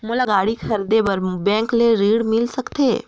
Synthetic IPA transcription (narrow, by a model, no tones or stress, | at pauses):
mʊlaɡaːɽikʰɐɾd̪ebɐɾbɛ̃ːŋkleɾiːɽmɪlsɐkt̪eː